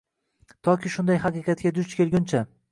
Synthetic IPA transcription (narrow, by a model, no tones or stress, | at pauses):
t̪ʰɒkʲɪʃʊnd̪ajhɑqɨqɑt̪̚kʲad̪ʊt͡ʃkʲelˠɡʲʊnt͡ʃʰa